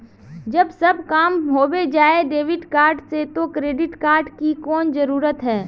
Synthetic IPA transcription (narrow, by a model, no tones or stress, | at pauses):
d͡ʒɐbsɐbkaːmɦoːwed͡ʒaːeɖeːʋɪɖkaːɾɖset̪okɾeːɖɪʈkaːɾɖkikɔːnzəɾuːɾət̪ɦɛː